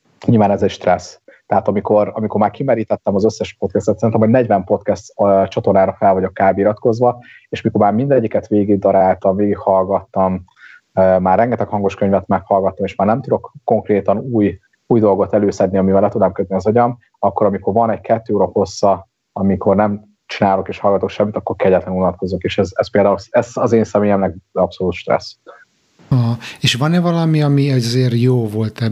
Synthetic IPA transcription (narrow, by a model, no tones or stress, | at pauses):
ɲilvaːnɛzɛcʃt̪rɛst̪ɛɦaːt̪ɒmiko̞ɾɒmiko̞rmaːrkimɛɾiːt̪ɛt̪ːɛmɒzøsːɛʃpo̞t̪̚kɛst̪ɛt̪sɛɾint̪ɛmho̞ɟnɛɟvɛmpo̞t̪kɛst̪t͡ʃɒt̪ornaːɾɒfɛlvɒɟokːaːbiɾɒt̪ko̞zʋɒeːʃmiko̞rmaːrmind̪ɛɟːikɛt̪ʋeːɡiɡd̪ɒɾaːlt̪ɒmveːɡikhɒlɡɒt̪ːɒm | maːrːɛŋɡɛt̪ɛkhɒŋɡo̞ʃkøɲvɛt̪mɛkhɒlɡɒt̪ːomeːʃmaːrnɛmt̪ud̪o̞kːo̞ŋkreːt̪ɒnuːj | uːjd̪o̞lɡo̞t̪ɛløːsɛd̪niɒmivɛlːɛt̪ud̪ɛmkød̪niɒzɒɟɒm | ɒkːoɾɒmiko̞rɾvɒnɛɟkʰɛt̪ːøːoːɾɒho̞sːɒ | ɒmikʰo̞rnɛm | t͡ʃinaːlo̞keːʃhɒlɡɒt̪o̞kʃɛmːit̪ɒkːo̞rkʰɛɟɛt̪lɛnunɒt̪̚ko̞zokeːʃɛzɛspeːld̪aːulsɛzɒzeːnsɛmeːjɛmnɛɡɒpso̞luːt̪ʃt̪rɛ̰sː | ɦeːʃvɒnɛvɒlɒmiɒmiɛzeːɾjoːvo̞lt̪ɛ